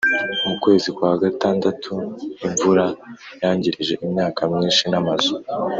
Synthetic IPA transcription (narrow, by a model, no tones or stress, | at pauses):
omukwe̞ːzikwaːɡataːndatʰujiɱvuɾajaːɲɟiɾiʒe̞ʔimɲaːkamiːnʃinamazo